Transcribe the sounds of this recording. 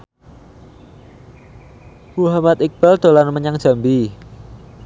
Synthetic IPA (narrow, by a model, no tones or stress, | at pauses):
muɦamat̪ik̚b̥ald̪̥o̤lanməɲaŋd̥ʒ̥a̤mbi